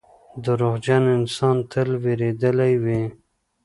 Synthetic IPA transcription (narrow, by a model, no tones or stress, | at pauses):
d̪əɾoɣd͡ʒanɪnsɑnt̪ʰəlweɾed̪əlajwi